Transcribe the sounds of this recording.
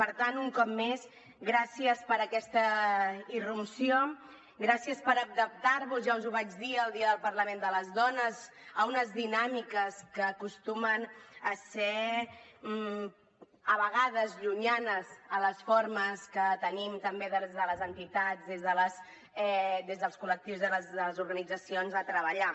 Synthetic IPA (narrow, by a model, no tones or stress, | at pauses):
pəɾt̪anuŋkɔpmes | ɣɾasiəspəɾəkɛst̪əirupsio | ɡɾasiəspəɾək̚d̪əp̚t̪aɾβuzʒaunzuβad͡ʒðiəːlˠd̪iəðəlˠpəɾləmend̪ələzðɔnəz | əunəzðinamikəskəːkust̪umənəsɛ | əβəɣaðəzʎuɲanəzələsfoɾməskət̪ənimt̪əmbeðezðələzənt̪it̪ad͡zðezðələs | ɛd̪ezðəlˠskulək̚t̪iwzðələzðələzuɾɣənid͡zəsionzət̪ɾəβəʎa